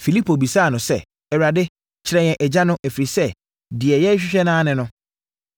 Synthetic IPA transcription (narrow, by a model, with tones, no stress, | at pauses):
fi˨li˦pʰo˨bi˨saː˦˨nʊ̃˨sɛ˦˨ | ɛ˨wɾa˨dɪ˦ | t͡ɕʰɪ˨ɾɛ˨˦ɲɛ̃˨ʔɛ˨d͡ʑa˦nʊ̃˦ʔæ˨fɾi˨sɛ˦ | dɪ˨ɛ˨jɛ˦ɕᶣɪ˦ɕᶣɛ˦nãː˦nɪ̃˨nʊ̃˦